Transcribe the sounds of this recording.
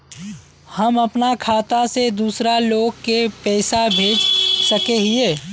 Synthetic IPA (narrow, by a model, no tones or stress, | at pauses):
hɐmɐpnakʰaːt̪ased̪uːsɾaloːɡ̚kepɛːsabʱeːd͡ʒsəkeɦɪeː